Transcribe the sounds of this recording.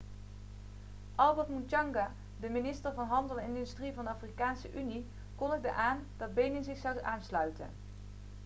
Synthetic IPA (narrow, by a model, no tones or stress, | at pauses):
ʔɑlˠbɛɹtmuntɑŋɡa | dəminɪstəɹvɑnɦɑndəlˠɪndystrivɑndəaːfrikaːnsəʔyni | kɔnəɡ̚də̰ʔaːndɑd̚bejnənzɪχsɑwaːnslœɥtə̰n